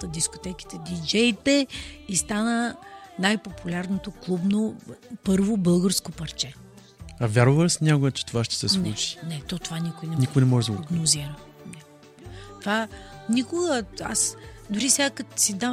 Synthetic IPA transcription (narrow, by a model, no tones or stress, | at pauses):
t̪əd̪iskot̪ɛki̥t̪ɛd̪id͡ʒɛjt̪ɛist̪anənajpopulʲaɾnot̪oklˠubnopɤɾvobɤlˠɡəɾskopɐɾt͡ʃɛ | ɐvʲjaɾovəlsnʲakʊjət͡ʃɛ̥t̪ovaʃt̪ɛ̥sɛslˠut͡ʃi̥nɛt̪ɔt̪ovanʲikojnɛnikojnɛmɔʒɛd̪əɡɾoɡnoziɾə | nɛ | t̪ovanikʊɡəa̰sd̪oɾisʲakət̪sid̪am